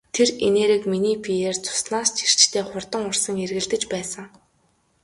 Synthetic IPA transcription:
t̪ʰereneːɾɘ̆kminiːpʰieːrt͡sʰʊ̥snaːst͡ɕʰir̥t͡ɕt̪ʰeːχʊrt̪ə̆ŋʊrsə̆ŋerɣɘ̆ɮt̪ɘ̆t͡ɕpæːsə̆ŋ

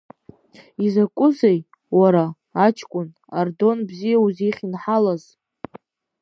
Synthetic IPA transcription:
izakʷʼʊzej | waɾaː | t͡ʃʰkʷʼʊn | ardo̞nbzijauziχʲinħalaz

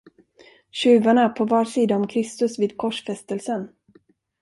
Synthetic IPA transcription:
ɕʉ̟ːvaɳaæpʰɔvɑːʂiːd̪aɔmkʰɾɪst̪ɵsviːd̪̚kʰɔʂfɛst̪əlsən

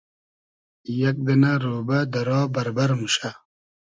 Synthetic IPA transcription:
jɐk̚d̪ɐnaɾoːbɐd̪ɐɾɔːbɐɾbɐɾmuɕa

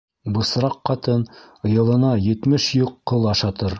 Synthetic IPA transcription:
bɤ̆sɾɑqːɑt̪ɤn | ɤ̆jɤ̆lˠɤ̆nɑjɘ̆t̪mɘʃjuqːɤlˠɑʃɑt̪ɤɾ

